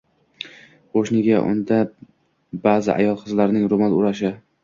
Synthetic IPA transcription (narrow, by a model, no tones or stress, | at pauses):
qʰoʃnɪɡʲaʔʊ̰nd̪a | baːzɪ̰ʔa̰jɒlˠqʰɨzlaɾnɪŋɾomalʊɾaʃɪ